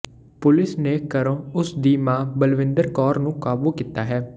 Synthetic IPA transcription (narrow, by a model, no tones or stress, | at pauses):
pʊlɪsneːkəɾõːʊsd̪iːmãːbəlʋɪ̃nd̪əɾkɔːɾnũːkaːbuːkiːt̪aːɦɛː